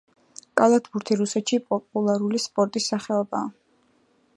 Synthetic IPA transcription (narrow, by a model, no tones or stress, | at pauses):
kʼalˠat̪ʰbuɾt̪ʰiɾusɛt̪ʃipʼɔpʼulˠaɾulispʼɔɾt̪ʼisːaχɛɔbaː